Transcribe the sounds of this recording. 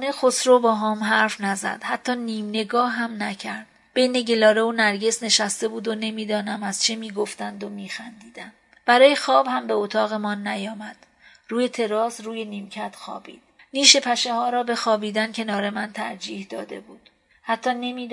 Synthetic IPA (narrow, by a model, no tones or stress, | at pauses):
nexosɾobɒːɦɒːmɦæɾfnæzæ̰d̪̥hæt̪ʰːɒːniːmne̞ɡɒːhɦæmnæcʰæɾd̪̥ | b̥e̞jne̞ɟe̞lɒːɾe̞onæɾɟe̞sne̞ʃæst̪e̞buːd̪one̞miːd̪ɒːnæmæz̥t͡ʃʰemiːɡoft̪ænd̪omiːxænd̪iːd̪æn̥ | b̥æɾɒːje̞xɒːbhæmbe̞ot̪ʰɒːɣe̞mɒːnːæjɒːmæd̪̥ | ruːje̞t̪ʰe̞ɾɒːsruːje̞niːmcʰæt̪xɒ̰ːbḭːd̪̥̚niːʃe̞pʰæʃe̞hɒːɾɒːbe̞xɒːbiːd̪æncʰe̞nɒːɾe̞mænt̪ʰæɾd͡ʒiːhd̪ɒːd̪e̞̰buːd̪̥ | hæt̪ʰːɒːne̞miːd̪